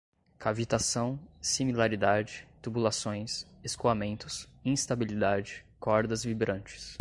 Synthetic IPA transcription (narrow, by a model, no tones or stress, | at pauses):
kʰavit̪asɐ̃w̃similaɾid̪ad͡ʒɪt̪ubulasõj̃seskoamẽnt̪ʊs | ĩst̪abilid̪ad͡ʒɪkɔɾd̪ɐzvibɾɐ̃nt͡ʃɪ̥s